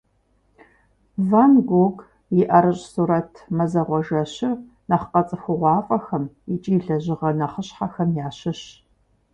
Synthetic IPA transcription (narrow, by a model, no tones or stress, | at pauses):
vanɡʷoɡ | jɪʔɐɾɨɕʼsuːɾɐtʰmɐzɐʁʷɔʒɐɕɪr | nɐχqɐt͡sʼɨxʷʊʁʷɑːfʼɐxɐm | ɪt͡ʃʼiːɮɐʑɪʁɐnɐχəɕħaxɐmjaːɕɪɕ